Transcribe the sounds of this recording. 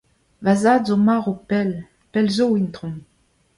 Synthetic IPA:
vazaːdzomaʁopɛl | pɛlzoint̪ʁɔ̃

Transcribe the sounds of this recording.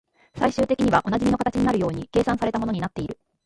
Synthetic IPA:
saiɕɨːt̪e̞kʲiɲiβaʔo̞naʑimʲino̞kat̪at͡ɕiɲ̟inaɾɯ̟jo̞ːɲ̟ike̞ːsãɰ̃saɾe̞t̪amo̞no̞ɲinat̪ːe̞iɾɯ̟

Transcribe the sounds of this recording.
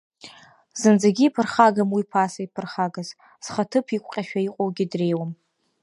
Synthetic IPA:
z̥ɨnd͡zaɡʲiːpʰɨrχaɡamwipʰasaipʰɨrχaɡaz | z̥χatʰɨpʰikʷʼqʲʼaʃᶣaiqʷʼowɡʲidre̞jwam

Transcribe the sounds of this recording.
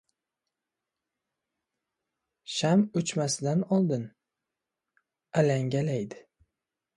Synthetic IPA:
ʃamɵt͡ʃmasɪd̪anɒlˠd̪ɪn | alaŋɡʲalajd̪ɪ

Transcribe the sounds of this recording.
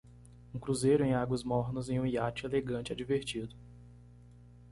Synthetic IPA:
ũkɾuzejɾʊẽj̃aɡwɐzmɔɾnɐzẽj̃ũiat͡ʃɪeleɡɐ̃t͡ʃɪad͡ʒiveɾt͡ʃid̪ʊ

